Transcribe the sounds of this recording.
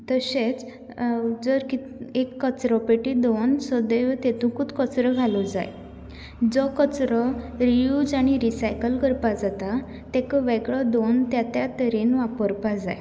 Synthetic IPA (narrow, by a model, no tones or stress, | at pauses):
t̪əɕet͡s | d͡zəɾki | ekːət͡sɾɔpeʈid̪onsɔd̪eʋt̪et̪ũkut̪kət͡sɾəɡʱalud͡za̰j | d͡zɔkət͡sɾɔɾijud͡zaɽ̃iɾisajkəlkəɾpad͡zat̪a | t̪ekəʋɛɡɭɔd̪ont̪jat̪jat̪əɾenʋapəɾpad͡zaj